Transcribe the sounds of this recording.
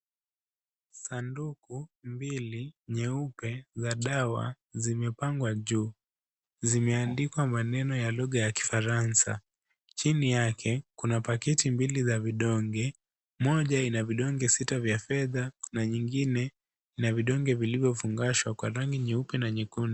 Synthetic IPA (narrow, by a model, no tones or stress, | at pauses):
sandukumbiliɲɛupɛzaɗawa̰ | zimɛpaŋɡwaʄuː | zimɛandikwamanɛnɔjaluɠajaki̥faɾansa | t͡ʃinijakʰɛkunapakɛtimbilizaviɗɔŋɡɛ | mɔʄainaviɗɔŋɡɛsitavjafɛðanaɲiŋɡinɛ | inaviɗɔŋɡɛvilivjɔfuŋɡaʃwakwaɾaŋɡiɲɛupɛnaɲɛkuni